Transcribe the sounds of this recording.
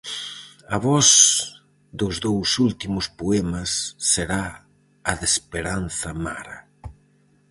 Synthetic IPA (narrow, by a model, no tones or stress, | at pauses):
ɐβɔs | d̪ʊzðowsult̪imʊspoɛmɐsːeɾa | ɐðespeɾanθɐma̰ɾɐ